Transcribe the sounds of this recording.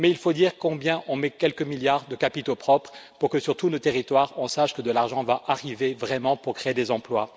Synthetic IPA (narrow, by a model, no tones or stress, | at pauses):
mɛilfod̪iʁkɔ̃bjɛ̃ʔɔ̃mɛkʲɛlkəmiljaʁd̪əkapit̪opχɔpχpuʁkəsyʁt̪unot̪eʁit̪waʁɔ̃saʃkəd̪əlaʁʒɑ̃vaʔaʁivevʁɛmɑ̃puʁkχeed̪ezɑ̃plwa